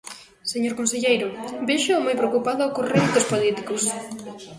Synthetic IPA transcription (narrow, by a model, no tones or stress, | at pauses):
seɲoɾkõnseʎejɾʊbeʃʊːmajpɾeokupaðʊokorent̪ospolit̪ikos